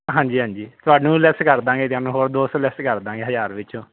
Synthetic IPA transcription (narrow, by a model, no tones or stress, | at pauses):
ɦãːɲd͡ʒiːɦãːɲd͡ʒiːt̪ʊaːɖnũːlɛskəɾd̪ãːŋɡeːt̪ɪaːnũːɦoːɾd̪oːslɛskəɾd̪ãːŋɡeːɦəzaːɾʋɪt͡ʃõː